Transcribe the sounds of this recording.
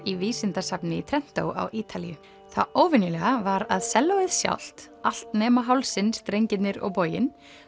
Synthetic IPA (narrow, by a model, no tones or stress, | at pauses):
iviːsɪnt̪asapnɪit̪ʰɾɛn̥t̪o̰wa̰wʔiːt̪ʰalḭʏ̰ | θaoːwvɪnjʏlɛɣavaɾaðsɛlːavɪðsja̰wl̥t̪ | al̥t̪nɛːmaɦawlsɪnst̪ɾejɲcɪt̪nɪɾɔ̰ɣpoːjɪn